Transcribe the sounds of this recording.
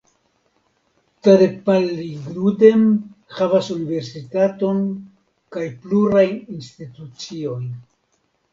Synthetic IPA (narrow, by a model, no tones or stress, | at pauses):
taɾepalːiɡɾude̞mhavasunive̞ɾsitato̞n | kajpluɾajinstitut͡sio̞j